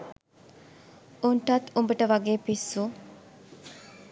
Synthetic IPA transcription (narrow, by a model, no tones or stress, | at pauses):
unʈɐt̪umbəʈəʋɐɡeːpisːu